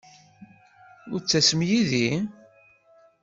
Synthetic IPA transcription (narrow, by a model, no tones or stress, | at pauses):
ʊɾt͡sːæsəmjiði